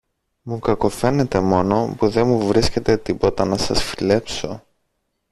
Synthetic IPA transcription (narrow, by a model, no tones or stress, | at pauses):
mukɐko̞fe̞ne̞t̪e̞mo̞no̞puðe̞nmuvɾisce̞t̪e̞t̪ipo̞t̪ɐnɐsɐsfile̞pso̞